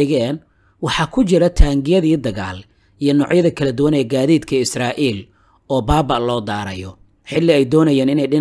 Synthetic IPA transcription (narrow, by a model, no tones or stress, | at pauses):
ɣɛːn | wɑħɑkʰʊt͡ʃɪɾɐt̪ʰaːŋɡɪjɐðiːd̪ɐɣa̰ːl | ijɔnɔːʕjɐðɐkʰɐlɐd̪ʊwɐnɛɐɡaːðiːd̪kʰɐɪsraːʔiːl | ɔːbaːβɐʔlɔːd̪aːɾɐjɔ | ħɪlːɪɛjd̪ɔːnɐjaːnɪnɛjɖɪn